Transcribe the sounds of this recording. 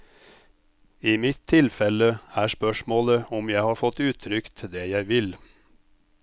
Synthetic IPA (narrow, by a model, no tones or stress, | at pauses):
iːmɪt̪ʰːɪlfɛləæːspœʃmoːləɔmjæɪhɑːɾfɔt̪ʉːt̪ʰɾʏkt̪ʰd̪eːjæɪʋɪl